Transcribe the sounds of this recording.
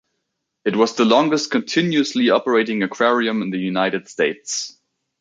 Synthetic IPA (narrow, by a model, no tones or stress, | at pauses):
ɨt̚wʌzðəlɔ̃ŋɡəst̚kʰɨ̃ntʰɪ̃njʉəsliɑpə˞eɪɾɪ̃ŋɨkʰɹ̥ɛɹiɨ̃mɨ̃nðɨjunaɪɾɨd̥steɪts